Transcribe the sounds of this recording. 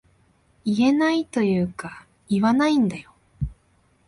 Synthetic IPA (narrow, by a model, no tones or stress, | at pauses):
ie̞nait̪o̞jɯ̟ːka | iβanaĩnd̪ajo̞